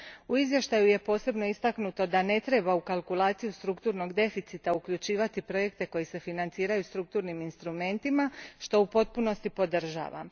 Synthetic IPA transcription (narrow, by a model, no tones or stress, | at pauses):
uizʋje̞ʃt̪ajuje̞po̞ːse̞bno̞ist̪aknut̪o̞d̪ane̞t̪ɾe̞baukalˠkulˠaːt̪sijust̪ɾukt̪uːɾno̞ɡd̪e̞fit̪sit̪aukʎut͡ʃiːʋat̪ipɾo̞je̞kt̪e̞ko̞jise̞finant̪siːɾajust̪ɾuk̚t̪uːɾniminst̪ɾume̞nt̪imaʃt̪o̞upo̞t̪̚puno̞st̪ipo̞d̪r̩ʒa̰ːʋa̰